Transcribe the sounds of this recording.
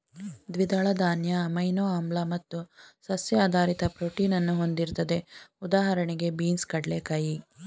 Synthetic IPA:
d̪ʋid̪ɐːɭɐd̪aːnjɐːmɐjnoːaːmblɐmɐt̪ːusɐsjɐːd̪ʱaːɾit̪ɐpɾoːʈiːnɐnːuɦo̞nd̪iɾt̪ɐd̪e̞ud̪aːɦɐɾɐɳiɡe̞biːnskɐɽlekɐji

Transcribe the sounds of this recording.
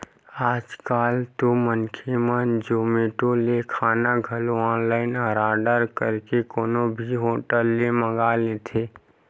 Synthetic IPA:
aːd͡ʒkaːlt̪omənkʰemad͡ʒoːmeːʈolekʰaːnaɡʱəloɔ̃ːnlaːɪnəɾaːɖəɾkəɾkekoːnobʱiɦoːʈəlːeməɡalet̪ʰeː

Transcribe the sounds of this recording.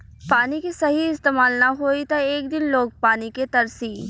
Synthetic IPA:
paːnikisɐɦiɪst̪eːmaːlnɐɦoːit̪oeːkd̪ɪnloːɡ̚paːniket̪ɐɾsiː

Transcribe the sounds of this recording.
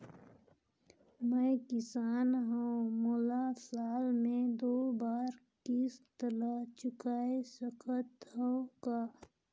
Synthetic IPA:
məjkɪsaːnɦamoːlasaːlmẽd̪oːbaːɾkist̪əlat͡ʃʊkaːesəkʰət̪ɦəokaː

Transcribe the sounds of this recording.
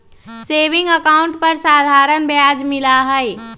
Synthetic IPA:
sebɪ̃ŋɡəkaʊɳʈpəɾsad̪ʱaɾənbjad͡ʒmilaɦəj

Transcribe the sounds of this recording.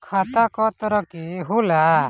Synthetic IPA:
kʰat̪akɔt̪ɔɾɔkiɦula

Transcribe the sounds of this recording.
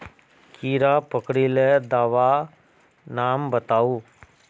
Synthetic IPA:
kiːɾapəkɽiled̪aːʋa | naːmbət̪aːuː

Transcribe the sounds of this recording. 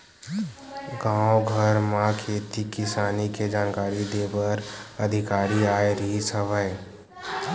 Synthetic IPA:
ɡãːoɡʱəɾmãkʰeːt̪ikɪsaːniked͡ʒaːnkaːɾid̪eːbəɾəd̪ʱɪkaːɾiaːeɾisəʋəe

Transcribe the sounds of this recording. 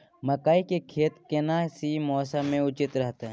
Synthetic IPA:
məkaːikekʰeːt̪kɪnasimɔːsamẽʊt͡ʃɪt̪ɾɛɦt̪eɦɛ̃ː

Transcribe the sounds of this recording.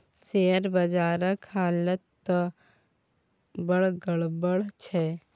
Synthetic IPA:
seːəɾbɐd͡ʒaːɾəkʰhaːlət̪ː | bəɭɡəɭbəɭt͡ʃʰɛː

